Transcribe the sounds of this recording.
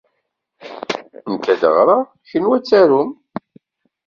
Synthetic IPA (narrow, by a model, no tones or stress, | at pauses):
ntæd̪ə̰ʁɾˤɑ | çənwæt͡sːæɾum